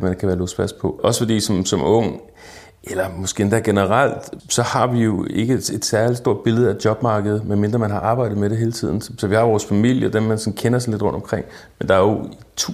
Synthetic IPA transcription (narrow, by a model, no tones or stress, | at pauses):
mænkʰæʋæːɐlosfæs̚pʰɒ̽ɒ̽sə̥fɒ̽d̥ḭːsɒ̽msɒ̽mɔ̽ŋ̰ | ʔelɐmɒ̽sɡ̥e̝̰end̥æɐɡ̥e̝nəʁal̰d̥sɒ̽hɑ̈ʋijo̝e̝ɡ̥əed̥sæɐli̥sd̥o̝ɐ̰d̥̚b̥e̝ləð̩ˠæd̥jɒ̽b̥mɑ̈ːɡ̥əð̞̩ˠmenme̝nd̥ʁɐmænɦɑ̈ʔɑ̈ːb̥ɑ̈ɪ̰d̥ð̩ˠmeɾeɦe̝ːlət͡sʰið̞̰ˠn̩ssɒ̽ʋihɑ̈ʋɒːsfæmil̰jəd̥enmænsɒ̽n̩kʰenɐsɑle̝d̥ʁɔ̽nd̥ɒ̽mkʰʁeŋ̰ | mend̥ɑ̈æɐjo | t͡sʰ